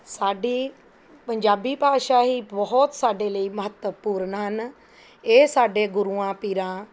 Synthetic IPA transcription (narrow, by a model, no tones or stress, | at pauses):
saːɖiː | pəɲd͡ʒaːbiːpaːʃaːɦiːbɔɦɔt̪saːɖeːləiːməɦət̪əpuːɾnɦən | eːsaːɖeːɡʊɾuːãːpiːɾãː